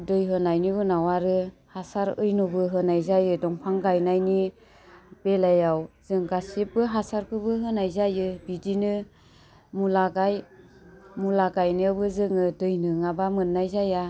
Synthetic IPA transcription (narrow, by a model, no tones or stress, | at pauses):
dɯjɦɯnajnibɯnawaɾɯhasaɾɯjnɔbɯɦɯnajzajɯdɔŋpʰaŋɡajnajni | b̥elajawz̥ɯŋɡasip̚ːɯɦasaɾkʰɯbɯɦɯnajzajɯbidinɯ | mulaɡaj | mulaɡajnɯbɯzɯŋɯdɯjnɯŋabamɯnːajzaja